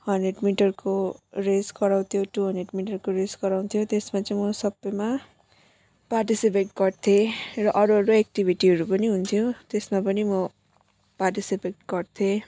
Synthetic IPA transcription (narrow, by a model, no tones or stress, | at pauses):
hʌnɖreɖmiʈʌrkoresɡʌɾaw̃t̪ʰjoʈuɦʌnɖreɖmiʈʌrkoɾed͡zɡʌɾaw̃t̪ʰjot̪esmat͡saĩmʌsʌbːʌjma | parʈisipeʈɡʌrt̪ʰerʌʔʌɾuɦʌɾuek̚ʈibʱiʈiɦʌɾupʌniɦunt̪ʰjot̪esmapʌnimʌ | parʈisipeʈ̚ɡʌrt̪ʰe